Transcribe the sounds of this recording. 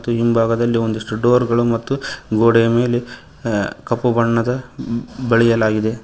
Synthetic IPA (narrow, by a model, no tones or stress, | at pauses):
t̪ːuimbʱaːɡɐd̪ɐlːio̞nd̪iʂʈuɖoːɾɡɐɭumɐt̪ːuɡoːɽeɐme̞ːle | kɐpːubɐɳːɐd̪ɐbɐɭɛjɐlaːɡid̪e̞